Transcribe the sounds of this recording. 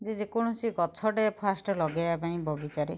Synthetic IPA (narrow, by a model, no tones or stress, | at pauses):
d͡ʒed͡ʒekuɽ̃ɔsiɡɔt͡ʃʰɔɖepʰasʈɔlɔɡajapaĩbʱɔɡit͡ʃaɾe